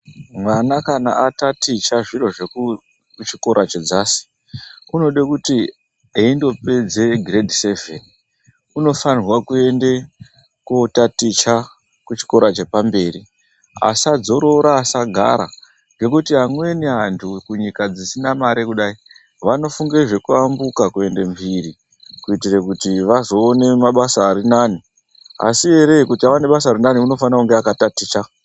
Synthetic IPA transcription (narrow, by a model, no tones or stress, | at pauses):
mwanakana̰ʔatatit͡ʃaʐiro̞ʐeku | t͡ʃiko̞ɾʔat͡ʃed͡zaːsi̥ | kuno̞ɗekuti | eindo̞ped͡zeɡʱredʱise̞ve̞ni | uno̞fanirwakue̞nde̞ | kotatit͡ʃa | kut͡ʃi̥ko̞ɾat͡ʃe̞pambe̞ːri | a̰sad͡zo̞ɾo̞ɾaːsaɡʱa̰ɾa̰ | ŋɡe̞kutiɦamwe̞niɦantʰukuɲikad͡zisinamaɾekuɗai | ʋano̞fuŋɡe̞ʐe̞kuambukakue̞nde̞mvʱiɾi | kuitire̞kutiʋazo̞ːne̞maɓasaːɾinani | a̰sie̞ɾe̞ikutiaʋane̞ɓasaːɾinaniuno̞fanirakuŋɡeakatatiːt͡ʃa